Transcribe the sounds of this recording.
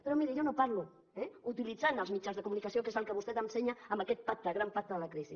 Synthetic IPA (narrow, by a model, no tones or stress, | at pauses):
peɾomiɾijonopaɾlu | ɛut̪ilid͡zanəlˠzmit͡ʃanzðəkumunikasiokezəlˠkəβust̪ɛt̪ənseɲaːmbəkɛt̪̚pak̚t̪əɣɾampat̪əðəlakɾisi